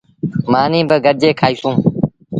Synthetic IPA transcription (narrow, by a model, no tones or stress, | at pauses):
maːnĩːbəɡəɾd͡ʒeːkʰaːiːsũː